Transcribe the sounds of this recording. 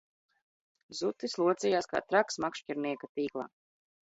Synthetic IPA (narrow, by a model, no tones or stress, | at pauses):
zut̪islˠuɔt̪sijaːska̰ːt̪ɾaksmakʃciɾniɛkat̪iːklˠa̰ː